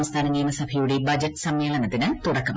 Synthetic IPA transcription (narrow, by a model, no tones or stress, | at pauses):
mst̪ʰaːnɐŋɡijunːɐsɐbʱɐjuɽibɐd͡ʑɐʈːɨ̥sɐmjeːlɐnɐt̪ːinɨt̪uɽɐkːɐm